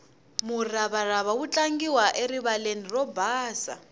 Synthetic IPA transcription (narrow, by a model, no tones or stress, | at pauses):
muraβaraβawut͡ɬʼaŋɡiwaʔeɾiβalenirɔbaːsa̰